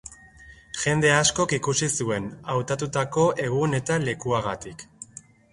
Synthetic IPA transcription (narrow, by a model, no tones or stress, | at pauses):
ʝe̞nd̪e̞asko̞kikusisue̞nawt̪at̪ut̪ako̞ʔe̞ɣ̞une̞t̪ale̞kuaɣ̞at̪ik